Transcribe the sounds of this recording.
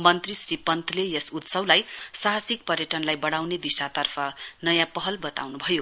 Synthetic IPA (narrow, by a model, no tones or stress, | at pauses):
mʌnt̪risripʌnt̪ʰlejesut̪sʌwlajsaɦasik̚pʌɾjʌʈʌnlajbʌɽawned̪isat̪ʌrpʰʌnʌjãpʌɦʌlbʌt̪a̰wnubʱʌjo